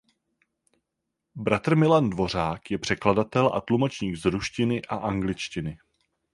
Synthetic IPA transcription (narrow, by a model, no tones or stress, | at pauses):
bɾat̪r̩mɪlandvo̞r̝aːkjɛpr̥ɛkladat̪ɛlʔa̰t̪lumo̞t͡ʃɲiːɡzɾuʃcɪnɪʔaʔaŋɡlɪt͡ʃcɪnɪ